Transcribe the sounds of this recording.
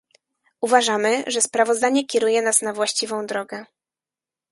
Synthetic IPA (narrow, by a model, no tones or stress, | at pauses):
uvaʐamɘʐɛspɾavɔzd̪aɲɛkʲɛɾujɛnasnavwaɕt͡ɕivɔ̃w̃d̪ɾɔɡɛ